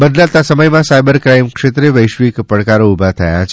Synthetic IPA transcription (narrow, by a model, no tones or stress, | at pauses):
bəd̪ʱlat̪asəməjmãsajbəɾkɾajmkʃet̪ɾeʋəjʃʋikpəɽkaɾoubʱat̪ʰəjat͡ʃʰ